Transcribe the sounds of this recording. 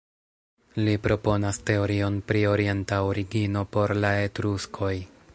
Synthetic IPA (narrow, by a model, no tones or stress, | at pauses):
lipɾo̞po̞naste̞o̞ɾio̞npɾio̞ɾie̞ntaoɾiɡino̞po̞ɾlae̞tɾuskʰo̞j